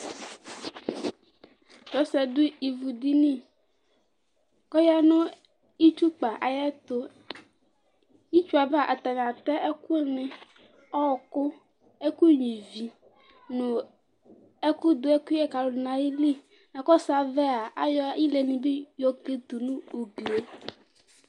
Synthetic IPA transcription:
t͡ʃɔ˨˦sɛ˨du˦i˨vu˨d̪i˦nĩ˦ | kɔ˦ja˦nõ˦ | i˦t͡ʃu˦k͡pa˨ʔa˨jɛ˦t̪o˦ | ji˦t͡ʃu˦a˨bɛ˦a˦˨ʔa˨t̪a˨ɲ˨ã˨t̪ɛ˦ʔe˦ku˦ɛ˦mẽ˨ | ɔ˦˨kʊ˦ | e˦ku˦ɲĩ˨vi˨ | nʊ̃˨ | e˦ku˦d̪o˨˦ɛ˦ku˦ɛ˦ka˨lo˨nã˨ji˦li˦˨ | na˨kɔ˦sa˦vɛ˦a˨a˦jɔ˦ji˦le˨nĩ˨be˦jɔ˦ke˦t̪u˨nũ˦o˨ɡle˨

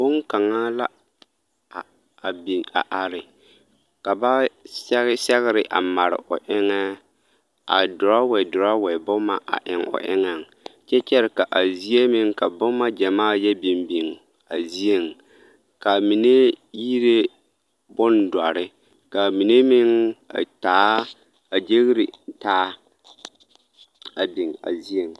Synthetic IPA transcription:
bʊ˦ŋka˨ŋa˦la˦˨ | bi˨a̰˨ʔa˨ɾɪ˨ | ka˨ba˦sɛ˦ɣsɛ˦ɣɪ˦ɾɪ˦ʔa̰˨ma˨ɾɪ̰˨ʔʊ̰˨ʔɪ˦ŋɛ˦ | a̰˨dʊ˨ɾa˦wɛ˨dʊ˨ɾa˦wɛ˨bʊ˦ma˦ʔa̰˨ʔɪ˨ŋʊ̰˨ʔɪ˦ŋɛ˨ŋ˨t͡ʃɛ˦t͡ʃɛ˦ɾɪ˨ka˨ʔa˨zi˦e˦mɪ˦ŋka˨bʊ˦mːa˦d͡ʒa˨maː˦˨jɛ˦bi˨mbi˨ŋ | a˨zi˦e˨ŋ | ka˨mi˨ne˦ji˦ɾe˦ | bʊ˦nda˨ɾɪ˦ | ka˨mi˨ne˦mɪ˦ŋa̰˨taː˨˦ | a˨d͡ʒe˦ɣɾi˨taː˦ | a˨bi˨ŋa̰˨zi˦e˨ŋ˨

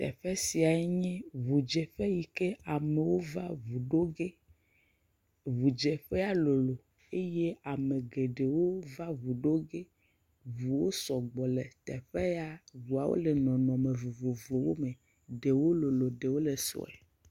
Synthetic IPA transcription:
t̪ɛ̰˨ɸɛ˦si˨a˨e˦ɲɛ̃˦vu˨d͡ʒe˨ɸe˦ji˨ke˦a˨me˨wo˦va˦vu˨ɖo˦ɡe˦ | vu˨d͡ʒe˨ɸe˦a˦lo˨lo˨ | e˦je˦a˨mẽ˨ɡe˨ɖe˨wo˦va˦vu˨ɖo˦ɡe˦ | vu˨wo˦sɔ˨ɡ͡bɔ˨le˨t̪ɛ˨ɸe˦a˦vu˨a˨wo̰˦le˨nɔ̃˨nɔ̃˨mẽ˨vu˨vo˨vlo˨wo˦mẽ˨ | ɖe˨wo˦lo˨lo˨ɖe˨wo˦le˨sɔ̰˨ɛ̰˨

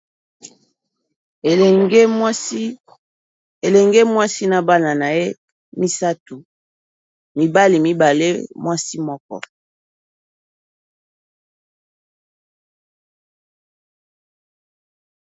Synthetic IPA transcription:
ɡ | e˨lɛ˨ŋɡe˦mwa˦si˦na˨ba˦na˨na˨je˦ | mi˦sa˦tu˨ | mi˨ba˦li˨mi˦ba˨le˦mwa˦si˦mɔ˦kɔ̰˦

